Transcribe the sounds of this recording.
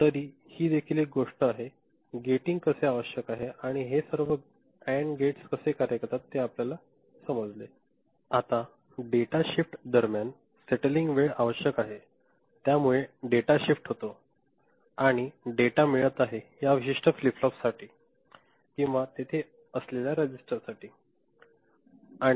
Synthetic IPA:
t̪əɾiːhiːd̪ekʰiːlek̚ɡoʂʈəaɦe | ɡeʈĩŋɡkəseaʋəɕjəkaɦeaɽ̃iɦesəɾʋə | æɳɡeʈskəsekaɾjəkəɾt̪at̪ːeapljala | səməd͡zle | at̪a | ɖeʈaɕifʈd̪əɾmjan | seʈəliŋɡʋeɭaʋəɕjəkaɦe | t̪jamuɭeɖeʈaɕifʈɦot̪o | aɽ̃iɖeʈamiɭət̪aɦeɦjaʋiɕiʂʈəfliflɔpsaʈʰiː | kĩw̃ʋat̪et̪ʰe | əsleljaɾəd͡ʑisʈəɾsaʈʰiː | ãi

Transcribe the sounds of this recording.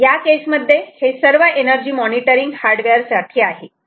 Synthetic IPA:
jakesməd̪ʱːjehesəɾʋəʔenəɾd͡ʑiːmɔniʈəɾiŋɡhaɾɖʋɛɾsaʈʰiːaɦe

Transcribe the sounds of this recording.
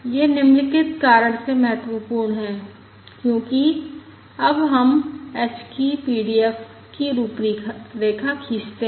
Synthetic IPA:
jeːnɪmlɪkɪt̪kaːɾəɽ̃semɐɦət̪wəpuːɾɳɦɛ̃ː | kjõːki | ɐbɦɐmɛːt͡ʃkipiːɖiɛf | kiɾuːpɾiɾeːkʰakʰiːst̪e

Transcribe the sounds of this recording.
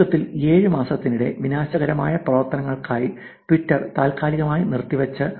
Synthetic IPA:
ɐt̪ːile̞ːɻɨmaːsɐt̪ːinuɽe̞̰ʋinaːɕɐɣɐɾɐma̰ːjɐprɐʋɐrt̪ɐnɐŋːɐɭkaːji | ʈʋitːɐrt̪aːlkaːliɣɐmaːjinirt̪ːiʋɐt͡ɕːɨ

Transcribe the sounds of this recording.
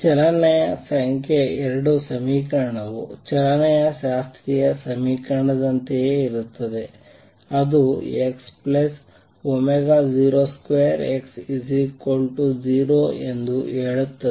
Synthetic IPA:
t͡ʃɛlɐnɐjɐsɐŋkeɛɾɐɽusɐmiːkɐɾɳɐʋut͡ʃɛlɐnɐjɐʃaːst̪ʰɾijɐsɐmiːkɐɾɳɐd̪ɐnt̪eeːiɾut̪ːɐd̪e̞ | ɐd̪ueksplɐs | omeɡaːd͡ʒiːɾoːskʋeːɐɾeksizikolʈud͡ʒiːɾoːend̪ueːɭut̪ːɐ

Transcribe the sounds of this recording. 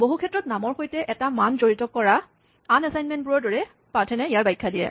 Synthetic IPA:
boɦukʰɛtɹɔtnamɔɹxojtɛʔɛtamanzoɹitɔkːɔɹa | anɛsajnmɛntpuɹɔɹdɔɹɛ | paɹtʰɛnɛijaɹbajkʰːadijɛ̰

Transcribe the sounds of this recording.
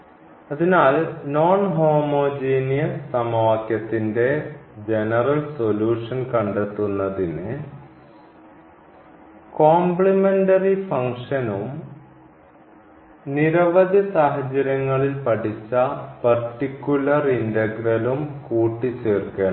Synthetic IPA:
ɐðinaːlno̞ːɳɦo̞ːmoːd͡ʑeːnijɐsɐmaːkjɐt̪ːinde̞d͡ʑe̞nɐrɐlso̞luːʂɐnkɐɳɖet̪ːunːɐðinɨ | koːmpɭimenɖɐrifɐŋʂɐnum | niɾɐʋɐd̪ʱisaːɦɐd͡ʑɐɾɐŋːɐɭilpɐʈʰit͡ɕːɐpɐrʈːikʲːulɐrindɐɡrɐlumkuːʈːit͡ɕeːrkeɳ

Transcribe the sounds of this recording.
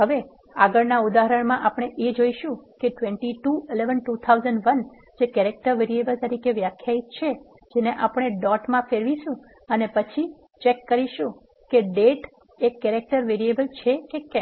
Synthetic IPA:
ɦəʋe | aɡəɾnaud̪aɦəɾəɳ̃mãʔapɳ̃eʔed͡ʒoiʃũkeʈʋẽɳʈiʈuileʋənʈut̪ʰauzəɳɖʋən | d͡ʒekɛɾek̚ʈəɾʋeɾiebəlt̪əɾikeʋjakʰjait̪̚t͡ʃʰe | d͡ʒeneʔapɽ̃eɖɔʈmãfeɾʋiʃũ | ənepət͡ʃʰi | t͡ʃekːəɾiʃũ | keɖeʈ | ekːɛɾek̚ʈəɾʋeɾiebəlt͡ʃʰekekɛ̃m

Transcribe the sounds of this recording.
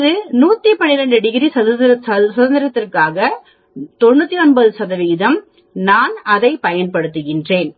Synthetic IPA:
ðɯnuːt̪ːipɐɳːɪɾɐɳɖɯɽɪɣɪɾisɐðɐɐsɐðɐnd̪ɪɾɐt̪ːɪrkaːɣɐ | t̪ɔɳːɯt̪ːiɔɳbɐðɯsɐðɐʋiːðɐm | naːnɐðɐɪpɐjɐnpɐɽɯt̪ːɯɣɪndreːn

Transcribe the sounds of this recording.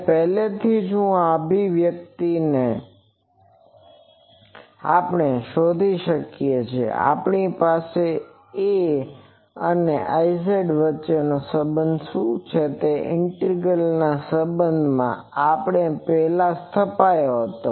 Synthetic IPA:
pɛɦlet̪ʰid͡ʒũabiʋjək̚t̪ine | a̰pɳ̃eʃod̪ʱiʃəkjet͡ʃʰḛa̰pɳipase | e | əneʔaiseɖʋətːʃenosəbənd̪ʃũt͡ʃʰet̪eʔɪɳʈəɾɡəlnasəbənd̪ʱmã̰ | apɳ̃epɛɦlast̪ʰəpajoɦət̪o̰

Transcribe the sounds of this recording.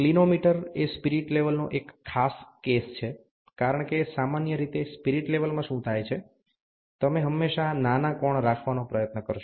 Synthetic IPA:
klinomiʈəɾespiɾiʈleʋəlnoʔekʰːaskest͡ʃʰe | kaɾəɳkesamanjəɾit̪espiɾiʈleʋəlmãʃũt̪ʰajt͡ʃʰe | t̪əmeɦəmːeʃananakɔɳɾakʰʋanopɾəjət̪nəkəɾʃ

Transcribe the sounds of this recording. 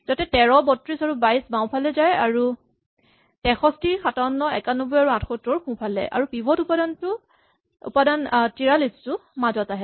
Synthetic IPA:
zatɛtɛɹɔbɔtɹisaɹubajsbãw̃pʰalɛzajaɹu | tɛxɔstiɹxatanːɔɛ̰kanubɔjaɹuãtʰxɔtɔɹkʰũpʰalɛ̰ʔa̰ɹupibʱɔtupadantʊ | ṵpadantiɹalistʊmazɔtaɦɛ

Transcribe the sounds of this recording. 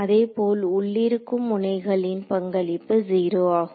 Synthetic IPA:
ɐðeːpoːlʊɭːɪɾɯkːɯmːʊnɐɪɣɐɭɪnpɐŋɡɐɭɪpːɯziːɾoːaːɣʊ

